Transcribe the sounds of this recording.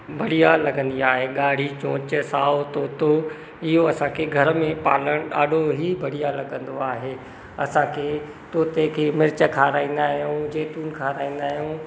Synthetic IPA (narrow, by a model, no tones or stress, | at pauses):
bʱɐɽijalɐɡə̃nd̪iaːɦeɠaːɽ̤it͡ɕõːt͡ɕsaːot̪oːt̪o | ɪɦoɐsãkʰeːɡʱɐɾmẽpa̰ːləɽ̃ɗaːɗʱoɦibʱɐɽijalɐɠə̃nd̪oaːɦeː | ɐsãkʰeː | t̪oːt̪ekʰeːmɪɾɪt͡ɕəkʰaːɾaːĩːnd̪aːɦijũd͡ʑeːt̪uːnkʰaːɾaːĩːn̆d̪aːɦijũː